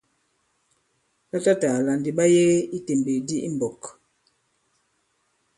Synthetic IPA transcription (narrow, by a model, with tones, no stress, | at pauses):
ta˦ta˦ta˨la˨ndi˨ɓa˦je˦i˦te˨mbe˨di˦ʔḭ˦m˨bɔ˨k